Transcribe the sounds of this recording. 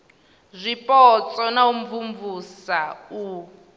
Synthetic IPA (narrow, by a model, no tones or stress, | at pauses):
zʷipʼɔt͡sʼɔnaum̩vuɱvusau